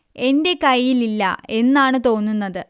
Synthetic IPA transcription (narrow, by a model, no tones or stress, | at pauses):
e̞nde̞kɐjːililːɐ̰e̞nːaːɳɨt̪o̞ːnːunːɐðɨ